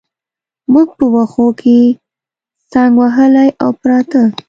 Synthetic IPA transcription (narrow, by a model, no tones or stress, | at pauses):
muɡ̚pəwaxokʰe | sɑŋɡwaɦəlajawpɾɑt̪ə